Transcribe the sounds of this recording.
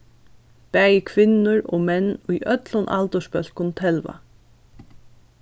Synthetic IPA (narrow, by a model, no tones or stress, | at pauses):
pæːjɪkʰʋɪnːʊɹɔ̰ːmɛnːujʔœt̪lʊnʔa̰lt̪əʂpœl̥kʊnt̪ʰɛlʋa̰